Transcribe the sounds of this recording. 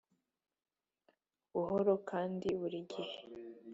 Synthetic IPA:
βuhoɾo̞kʰaːndiβuɾiɡihe

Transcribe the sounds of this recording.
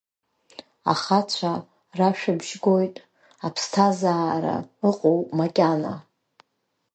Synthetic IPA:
a̰χat͡ɕʷʰa | raʃᶣabʒɡo̞jtʼ | apʰstʰazaːɾa̰ɨqʼowmakʲʼana̰

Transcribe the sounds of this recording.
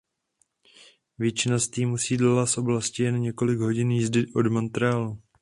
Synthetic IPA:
vjɛt͡ʃɪnast̪iːmusiːdlalat̪sʔo̞blascɪjɛnɲɛko̞lɪɡɦo̞ɟɪnjizdɪʔo̞dmont̪ɾɛalu

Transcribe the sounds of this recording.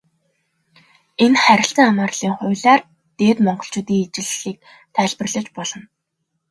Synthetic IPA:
enχæɾʲɪ̆ɬt͡sə̆ŋamaːrɮ̥iːŋχʊːɮaːr | t̪eːt̪mɔɴɢɞ̆ɬt͡ɕʊːt̪iːŋet͡ɕɪ̆ɮiːk̚ | t̪ʰæːɮpə̆rɮə̆t͡ɕpɔɮɞ̆n

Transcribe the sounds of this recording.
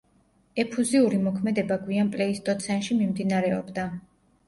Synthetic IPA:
ɛpʰuziuɾimɔkʰmɛd̪ɛbaɡwianpʼlɛist̪ʼɔt̪sʰɛnʃimimd̪inaɾɛɔ̰bd̪a

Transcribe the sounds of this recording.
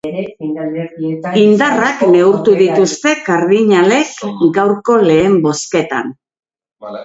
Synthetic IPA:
ind̪arakne̞uɾt̪uðit̪ust̪e̞kaɾðiɲale̞kɡawɾko̞le̞ːmbo̞ske̞t̪a̰n

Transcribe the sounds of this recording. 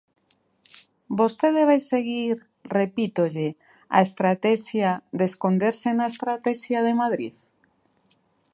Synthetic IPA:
bost̪eðeβajseɣiɾ | repit̪oʎe | a̰est̪ɾat̪ɛʃjad̪eskond̪eɾsenaest̪ɾat̪ɛʃjaðemaðɾḭð

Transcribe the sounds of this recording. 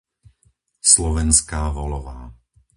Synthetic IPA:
slɔʋɛnskaːʋɔlɔʋaː

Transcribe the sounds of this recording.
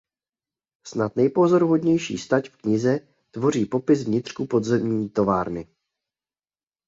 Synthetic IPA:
snat̪nɛjpo̞zo̞ɾuɦo̞dɲɛjʃḭːst̪acfkɲɪzɛ | t̪vo̞riːpo̞pɪsvɲɪt̪r̥kupo̞d̪zɛmɲiːt̪o̞vaːɾnɪ

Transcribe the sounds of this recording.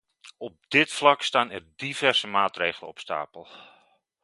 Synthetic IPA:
ɔp̚d̥ɪtflɑkstaːnɛrdivɛrsəmaːtreːɣələ̰ɔpsta̰ːpəlˠ

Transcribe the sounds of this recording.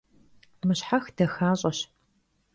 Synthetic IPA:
mɨɕħaxd̥ɐxaːɕʼɐɕ

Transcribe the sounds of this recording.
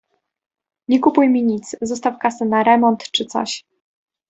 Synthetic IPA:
ɲɛkupujmʲiɲit̪szɔst̪afkasɛnaɾɛmɔnt̪t͡ʂɘt̪sɔ̰ɕ

